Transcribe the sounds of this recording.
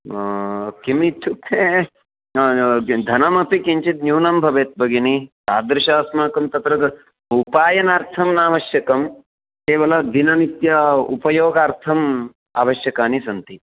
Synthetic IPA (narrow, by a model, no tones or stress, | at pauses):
kimit̪ʰːupʰːe | d̪ʱɐnɐmɐpikiɲt͡ʃit̪njuːnɐmbʱɐʋeːt̪̚bɐɡinit̪aːd̪ɾɪʃaːsmaːkɐmt̪ɐt̪ɾɐt̪ | upaːjɐnaːɾt̪ʰɐmnaːʋɐʃjɐkɐm | keːʋɐlɐd̪inɐnit̪jɐṵpɐjoːɡaːɾt̪ʰɐm | a̰ːʋɐʃjɐkaːnisɐnt̪i